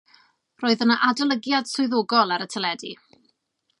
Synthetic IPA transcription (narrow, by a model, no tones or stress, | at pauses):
roːɨðənəʔadɔlˠəɡjad̥sʊɨðoːɡɔlˠaɾətʰəlɛdi